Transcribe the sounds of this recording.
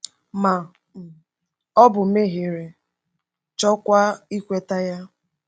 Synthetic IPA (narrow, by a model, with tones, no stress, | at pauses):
ma˨ | ɔ˦bʊ˨m̩e˦ɦe˨ɾe˨ | t͡ʃɔ˦kʷa˦i˦kʷe˦ta˦ja˦